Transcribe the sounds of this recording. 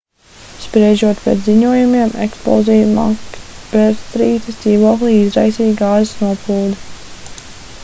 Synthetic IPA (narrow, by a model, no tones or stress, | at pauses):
spɾɛʒuɔt̪pɛ̰t̪ziɲuɔjumiɛmḛkspɔ̰zijma̰bɛɾst̪ɾiːt̪əsd̪ziːvuɔklˠiizɾajsiːɡaːzisnuɔpuːd̪